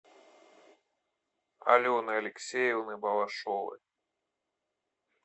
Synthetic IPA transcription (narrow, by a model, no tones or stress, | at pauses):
a̰lʲɔnɨɐlʲɪksʲejɛwnɨbɐvaʂɔvɨ̰